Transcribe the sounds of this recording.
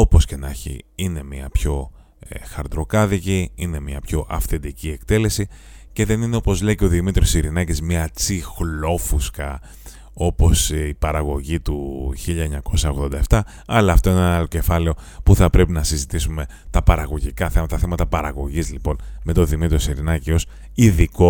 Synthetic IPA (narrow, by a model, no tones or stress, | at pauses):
o̞po̞sce̞nɐ̰çḭine̞miɐpço̞ | xɐɾd̪ɾo̞kɐðiciine̞miɐpço̞ʔɐfθe̞nd̪icie̞k̚t̪e̞le̞si | ce̞ðe̞nineo̞po̞zle̞iceo̞ðimit̪ɾiosiɾinɐcizmiɐt͡sixlo̞fuskɐ | o̞po̞sipɐɾɐɣo̞ʝit̪uçiʎɐeɲɐko̞sɐo̞ɣðo̞nd̪ɐeft̪ɐ | ɐlɐːft̪o̞ineenɐloce̞fɐleo̞ | puθɐpɾe̞pinɐsizit̪isume̞ | t̪ɐpɐɾɐɣo̞ʝikɐθemɐt̪ɐθe̞mɐt̪ɐpɐɾɐɣo̞ʝizlipo̞nme̞t̪o̞ðimit̪ɾiosiɾinɐcio̞s | iðiko